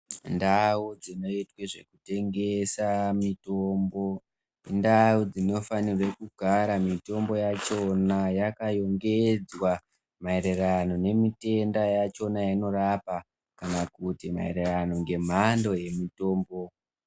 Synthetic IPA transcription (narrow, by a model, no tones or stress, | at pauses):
ndaud͡zino̞itweʐe̞̰kute̞ŋɡe̞samitombo̞ | ndaud͡zino̞fanirwe̞kuɡʱaɾamito̞mbo̞jat͡ʃo̞najakajo̞ŋɡe̞d͡zwa | maeɾerano̞ne̞mite̞ndajat͡ʃo̞najaino̞ɾapa | kanakutima̰ḛrerano̞ŋɡe̞m̤ando̞je̞mito̞ːmbo̞